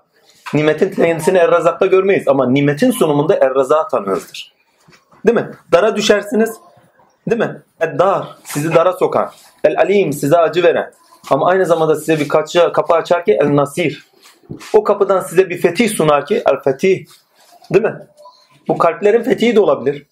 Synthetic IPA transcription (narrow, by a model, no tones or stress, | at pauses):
niːmet̪ʰint̪ʰenisiniɛlɾazak̚t̪ˠaɟøɾmejizamaniːmet̪ʰinsonumund̪aʔɛɾɾazaːt̪ʰanɯjo̰zd̪ɯɾ̥ | d̪imɪd̪̥aɾad̪yʃæɾsiniz̥ | d̪imɪ | ɛld̪aːɾ̥sizid̪aɾaso̞kʰa̰n | ɛlʲalʲiːmsizɛad͡ʒɯve̞ɾɛ̰n | amaajnɯzamand̪asizɛbikʰat͡ʃakʰapɯat͡ʃʰaɾciʔɛlʲnasiːɾ | okʰapɯd̪ansizɛbifet̪ʰihsunaɾciʔɛ̰lʲfɛt̪ʰi | d̪imɪ | bukʰalʲtlʲe̞ɾinfet̪ʰiɦid̪ɛo̞lˠabilʲiɾ̥